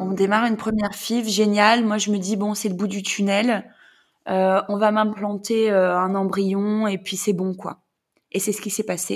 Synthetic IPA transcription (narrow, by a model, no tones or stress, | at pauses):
ɔ̃d̪emaʁynpχəmjɛʁfivʒenjalmwaʒəməd̪ibɔ̃sɛləbud̪yt̪ʰynɛl | øɔ̃vamɛ̃plɑ̃t̪eøɛ̃nɑ̃bʁijɔ̃epɥisɛbɔ̃kwa̰ | esɛsə̥kʲisɛpase